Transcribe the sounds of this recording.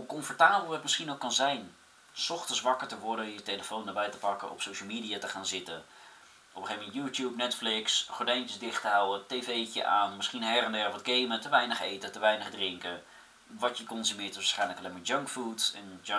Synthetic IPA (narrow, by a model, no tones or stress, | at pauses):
ukɔnfɔɹtaːbəl̩ˠətmɪsχinokɑnzɛjn | sɔχtənsʋɑkəɹtəʋɔɹdəjəteləfowndəbɛjtə̥pɑkəʔɔ̰psowʃəl̩ˠmiːdijatəχaːnzɪtə | ʔɔpəχejvmɛntjuːtjupnɛtflɪksχɔɹdɛjnt͡ʃjəsdɪχtəɦawətevejcə̰ʔaːnmɪsχinɦɛrəndɛrʋɔd̚ɡejmətəʋɛjnəχejtətəʋɛjnəχdrɪŋkə | ʋɑtjəkɔnzymɪːɹtɪsʋaːsχɛjnləkɑlejmaːɹd͡ʒœŋkfutɛn